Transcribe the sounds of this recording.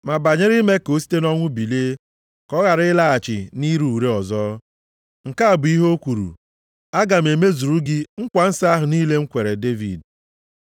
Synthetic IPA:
ma˨ba˨ɲe˦ɾɪ˦me˦ko˨˦si̥˦te˦nɔ˦ŋʷʊ˦bi˨leː˦ | kɔ˦ɣa˨ɾɪ˦la˦a˨t͡ʃɪ˨ni˦ɾu˨u˨ɾe˦ɔ˨zɔː˦ | ŋ̩˨ka˦a˨bʊ˨i˦ɦo˦kʷu˨ɾṵ˨ | a˦ɡa˨m̩˨e˨me˦zu˨ɾu˦ɡɪ˦ŋ̩˦kʷa˨n̩˦sa˦a˦ɦʊ˨ni˦le˦ŋ̩˦kʷe˨ɾe˨de˦vḭ˨d

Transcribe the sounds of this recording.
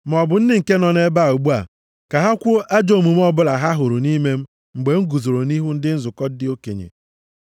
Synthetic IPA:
m˨ɔ˨bʊ˨n̩˦dɪ˦ŋ̩˨ke˦nɔ˨ne˦ba˦˨o˨ɡ͡bu˦a˨ | ka˨ɦa˦kʷʊ˦ʔa˦d͡ʒo˨mu˨m˦ɔ˦bʊ˦la˨ɦa˦ɦʊ˨ɾʊ˨ni˦me˦m̩˦ | ŋ͡m̩˨ɡ͡be˨ŋ̩˦ɡu˨zo˨ɾo˨ni˦ɦu˦n̩˦dɪ˦n̩˦zʊ˨kɔ˦dɪ˦o˦kḛ˨ɲḛ˨

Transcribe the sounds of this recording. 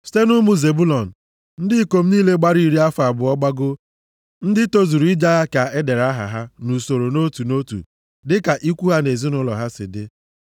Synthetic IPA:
ste˦nu˦mu˦ze˨bu˦lɔ˨n̩˨ | n̩˦dɪ˦ko˨m̩˦niː˦le˦ɡ͡ba˦ɾi˦ɾi˦a˦fa˨bʊ˨ɔ˦ɡ͡ba˦ɡʊ˦ | n̩˦dɪ˦to˦zu˨ɾu˨˦i˦d͡ʒa˦ɦa˦ka˨e˦de˨ɾa˦ɦa̰˨ɦa˦nu˨so˨ɾo˨no˦tu˨no˦tṵ˨ | dɪ˦ka˨ʔi˦kʷu˦ɦa˦ne˨zi˦nʊ˦lɔ̰˨ɦa˦sɪ̰˨dɪ˦

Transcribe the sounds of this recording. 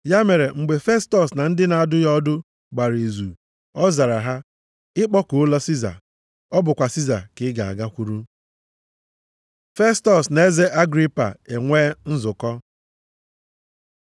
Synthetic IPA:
ja˦me˨ɾe˨ŋ͡m̩˨ɡ͡be˨fe˦stɔ˨sna˨n̩˦dɪ˦na˨a˦dʊ˦jɔ˦dʊ˦ | ɡ͡ba˨ɾe˨zu˨ | ɔ˦za˨ɾa˨ɦa˦ | ɪ˦k͡pɔ˦ko˨ʊ˦lɔ˦si˦za̰˨ | ɔ˦bʊ˨kʷa˨si˦za˨kɪ˨˦ɡa˨a̰˨ɡa˦kʷu˦ɾu˦ | fe˦stɔ˨sna˨e˦ze˦ʔa˦ɡɾi˦pa̰˨e˨ŋʷeː˦n̩˦zʊ˨kɔ˦

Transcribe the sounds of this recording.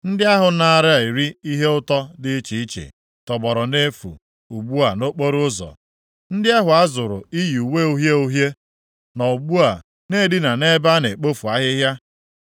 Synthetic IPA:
n̩˦dɪ˦a˦ɦʊ˨na˦˨ɾɪ˦a˨i˨ɾi˦i˦ɦe˦ʊ˦tɔ˦dɪ˦t͡ʃi˨i˦t͡ʃḛ˨ | tɔ˨bɔ˨ɾɔ˨ne˦fṵ˨ | u˨ɡ͡bu˦a˨no˦k͡po˦ɾʊ˦zɔ̰˨ | n̩˦dɪ˦a˦ɦʊ˨a˦zʊ˨ɾʊ̰˨i˦ji˨u˨we˦u˦ɦje˦u˦ɦje˦ | nɔ˨u˨ɡ͡bu˦a˨ | ne˦˨dɪ˦na˨ne˦ba˦ne˨k͡po˦fu˨a˦ɦɪ˦ɦja˦

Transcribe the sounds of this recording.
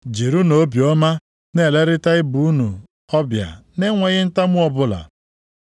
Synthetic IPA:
d͡ʒe˨ɾu˦no˨˦bjɔ˦ma˦ | ne˦˨le˦ɾɪ˦ta˦ɪ˦bu˨u˦nu˨ | ɔ˦bja̰˨ne˦ŋʷe˨ɣɪ˦n̩˦ta˦mʊ˦ɔ˦bʊ˦la̰˨

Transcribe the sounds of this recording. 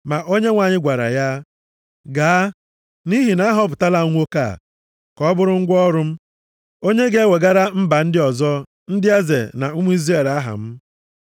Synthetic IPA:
ma˨ʔo˦ɲe˦ŋʷa˨ɲɪ˦ɡʷa˨ɾa̰˨ja˦ | ɡaː˨a˦ | ni˦ɦi˨na˦ɦɔ˦p̬ʊ˨ta˦la˦˨ŋʷo˦ka̰˦˨ | kɔ˨˦bʊ˦ɾʊ˦ŋ̩˦ɡʷɔ˦ɾʊ˦m̩˦ | o˦ɲe˦ɡe˦we˨ɡa˦ɾa˦m̩˦ba˨n̩˦dɪ˦ɔ˨zɔ˦ | n̩˦dɪ˦a˦zḛ˨na̰˨u˦mu˦i˦zɾe˨la˦ɦa̰˨m̩˦

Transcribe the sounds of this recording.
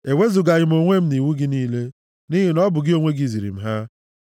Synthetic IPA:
e˨we˦zu˨ɡa˨ɣɪ˨m̩˦o˨ŋʷe˦m̩˦ni˨ŋu˦ɡɪ˦niː˦le˦ | ni˦ɦi˨nɔ˦bʊ˨ɡɪ˦o˦ŋʷe˦ɡi˨zi˨ɾḭ˨m̩˦˨ɦa˦

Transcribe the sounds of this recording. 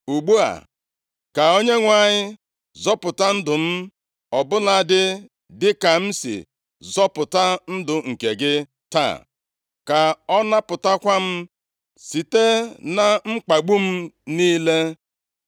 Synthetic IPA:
u˨ɡ͡bu˦a̰˨ | ka˨o˦ɲe˦ŋʷa˦˨ɲɪ˦ | zɔ˦pʊ˨ta˦n̩˦dʊ˨m̩˦ | ɔ˨bʊ˦na˦˨dɪ˦ | dɪ˦ka˨m̩˦sḭ˨ | zɔ˦pʊ˨ta˦n̩˦dʊ˨ŋ̩˨ke˨ɡɪ˦ | ta̰˦˨ | ka˨ɔ˦na˦pʊ˨ta˦kʷa˦m̩˦ | si˨te˦na˨ŋ͡m̩˦k͡pa˨ɡ͡bu˦m̩˦niː˦le˦

